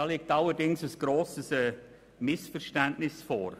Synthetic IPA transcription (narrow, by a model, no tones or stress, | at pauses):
ɑːlɪk̚tɑlːəɾdɪŋsəsɡ̥ɾoːsəsɛː | mɪsfəɾʃtæntnɪsfɔ̰ːɾ